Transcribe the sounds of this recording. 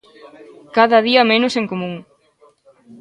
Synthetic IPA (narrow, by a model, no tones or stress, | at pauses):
kaðɐðiɐmenʊseŋkomũŋ